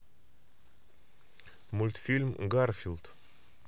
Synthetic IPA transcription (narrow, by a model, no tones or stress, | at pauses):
mʊlʲt̪fʲilʲmɡarfʲilˠt̪